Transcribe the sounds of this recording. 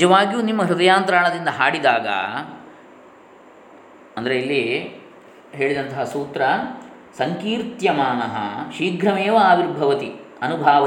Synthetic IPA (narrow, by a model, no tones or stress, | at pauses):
d͡ʒɐʋaːɡijuːnimːɐɦɾud̪ɐjaːnt̪ɾaːɳɐd̪ind̪ɐɦaːɽid̪aːɡɐ̰ | ɐnd̪ɐɾeilːi | ɦeːɭid̪ɐnt̪ɐɦɐsuːt̪ɾɐ | sɐŋkiːɾt̪jɐmaːnɐɦɐ̰ʃiːɡʱɾɐmeːʋɐaːbiɾbʱɐʋɐt̪iɐnubʱaːʋɐ